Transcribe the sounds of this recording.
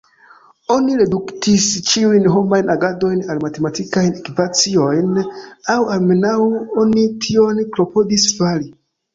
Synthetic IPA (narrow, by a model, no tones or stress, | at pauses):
oniɾeduktist͡ʃiujnɦomajnaɡadojnalmatematʰikajnekipat͡siojnawalmenawuonitʰionklopodisfali